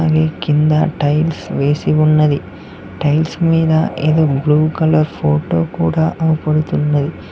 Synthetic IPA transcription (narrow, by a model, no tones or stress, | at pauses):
ɡekind̪ɐ̰ʈɐjlsʋeːsiʋunːɐd̪i | ʈɐjlsmiːd̪ɐʔed̪ubluːkɐlɐɾpʰoːʈo̰ːkuːɽɐʔɐpɐɽut̪unːɐd̪i